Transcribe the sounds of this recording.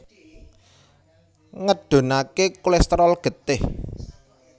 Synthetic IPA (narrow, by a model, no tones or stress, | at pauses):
ŋəɖ̥o̤nakekulɛst̪ɾɔlɡ̥ə̤t̪ɪh